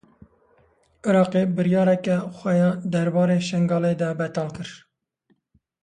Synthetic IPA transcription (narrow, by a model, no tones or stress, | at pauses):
ʔɪɾɑːqebɨɾjɑːɾɛkɛxʷɛjɑːd̪ɛɾbɑːɾeːʃɛŋɡɑːleːd̪ɛbɛt̪ɑːlkɨɾ